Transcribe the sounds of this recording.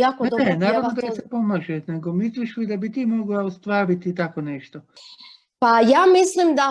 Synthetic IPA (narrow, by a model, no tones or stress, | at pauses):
jakoenaːɾaʋnod̪aisepo̞maːʒene̞ɡo̞misliʃʋid̪abit̪iːmo̞ɡlaost̪ʋaːɾit̪it̪ako̞neʃt̪o | pajaːmislimd̪a